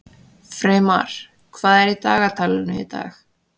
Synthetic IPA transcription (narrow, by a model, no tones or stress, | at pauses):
fɾeːma̰ɾ̥ | kʰvaːðɛɾit̪aːɣat̪ʰaːlɪnʏḭt̪a̰ːx